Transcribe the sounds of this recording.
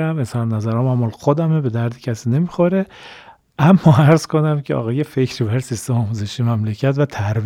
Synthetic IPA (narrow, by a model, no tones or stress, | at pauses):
æmesɒɾnæzæɾɒːmæmːɒːlxod̪æmebe̞d̪æɾd̪i̥cʲʰæsiːnemixoɾe | ʔæmːɒːæɾzkʰonæmcʰeɒ̰ːɣɒːjefecʰɾibæɾsist̪emɒːmuzeʃimæmlecʰæt̪væt̪ʰæɾb